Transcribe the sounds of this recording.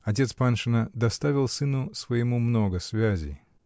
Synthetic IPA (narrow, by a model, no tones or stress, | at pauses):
ɐt̬ʲe̞t̪spanʂɨnəd̪ɐst̪avʲɪlˠsɨnʊsvəjɪmumnoɡəsvʲæzʲɪ̰